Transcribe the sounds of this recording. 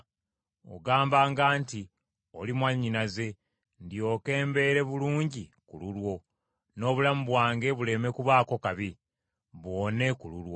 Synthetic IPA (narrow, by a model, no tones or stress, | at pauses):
o̰ɡaːmbaːŋɡaːnti | o̞̰limwaɲːinaze̞ | ndio̞ːke̞ːmbe̞ːɾe̞βuluːɲɟikululwo̞ | no̞ːβulamuβwaːŋɡe̞βule̞me̞kuβaːko̞kaβi | βwo̞ːne̞kululwo̞